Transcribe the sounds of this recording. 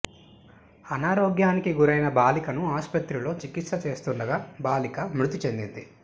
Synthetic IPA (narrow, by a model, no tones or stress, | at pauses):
ɐnaːɾoːɡjaːnikiɡuɾɐjnɐbaːlikɐnuaːspɐt̪ɾilo̞ːt͡ʃikit̪sɐt͡ʃe̞ːst̪uɳɖɐɡaːbaːlikɐmɾut̪it͡ʃe̞nd̪ind̪i